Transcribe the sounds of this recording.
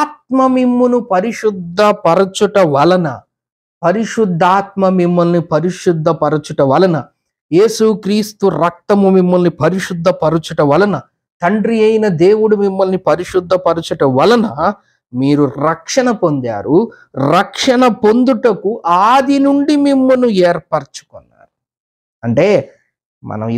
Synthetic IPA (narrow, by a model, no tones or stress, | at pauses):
aːt̪̚mɐmimːunupɐɾiʂud̪ʱːɐpɐɾɐt͡ʃuʈɐʋɐlɐnɐ̰ | pɐɾiʂud̪ʱːaːt̪̚mɐmimːɐlnipɐɾiʂud̪ʱːɐpɐɾɐt͡ʃuʈɐʋɐlɐnɐ | je̞ːsukɾiːst̪uɾɐk̚t̪ɐmumimːɐlnipɐɾiʂud̪ʱːɐpɐɾɐt͡ʃuʈɐʋɐlɐnɐ | t̪ɐɳɖɾijɐjinɐd̪eːwuɽumimːɐlnipɐɾiʂud̪ʱːɐpɐɾut͡ʃuʈɐʋɐlɐnɐ | miːɾuɾɐkʂɐɳɐpo̞nd̪a̰ːɾu | ɾɐkʂɐnɐpo̞nd̪uʈɐkuʔaːd̪inuɳɖimimːɐnueːɾpɐɾt͡ʃu̥kɔnːa̰ːɾu | ɐɳʈe̞ː | mɐ̰nɐ̰m